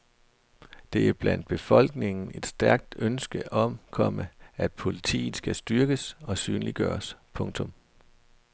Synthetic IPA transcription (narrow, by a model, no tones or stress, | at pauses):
d̥e̝æɐb̥læn̰d̥̚b̥e̝fɒ̽l̰ɡ̥ne̝ŋn̩e̝d̥sd̥æɐɡ̥̚d̥ønsɡ̥əʔɒ̽mkʰɒ̽məæd̥̚pʰo̝lit͡sʰḭːð̩ˠsɡ̥æsd̥yɐɡ̥əsɒ̽syːnliɡ̥ɶ̰ːɐspʰɔ̽ŋt͡sʰɔ̽m